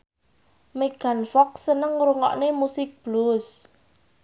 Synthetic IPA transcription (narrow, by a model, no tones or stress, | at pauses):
meɡ̥a̤nfɔk̚sənəŋɾuŋɔ̰ʔnemusɪk̚b̥lus